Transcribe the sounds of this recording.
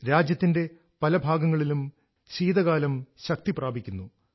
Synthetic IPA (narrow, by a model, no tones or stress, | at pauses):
ɾaːd͡ʑjɐt̪ːinde̞ | pɐlɐbʱaːɡɐŋːɐɭilum | ɕiːd̪ɐɣaːlɐmɕɐk̚t̪ipraːbʱikʲːunːu